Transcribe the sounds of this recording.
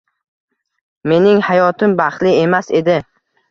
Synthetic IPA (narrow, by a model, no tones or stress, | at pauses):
me̞nɪŋhajɒt̪ʰɪmbaχt̪lɪe̞mase̞d̪ɪ